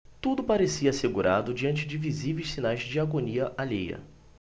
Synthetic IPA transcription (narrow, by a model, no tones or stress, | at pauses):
t̪ud̪ʊpaɾesiɐːseɡuɾʔa̰d̪ʊd͡ʒiɐ̃nt͡ʃɪd͡ʒɪvizivejsinajzd͡ʒd͡ʒiaɡoniɐʔalejɐ̰